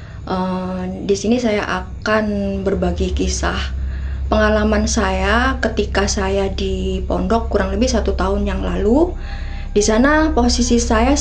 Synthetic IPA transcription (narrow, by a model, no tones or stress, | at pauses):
ʔəmdisinisajaʔakanbərbaɡikisa̰hpəŋalamansajakət̪ikasajadipɔndɔkːuɾaŋləbɪhsat̪ut̪aʊnjaŋlalu | disanaposisisaja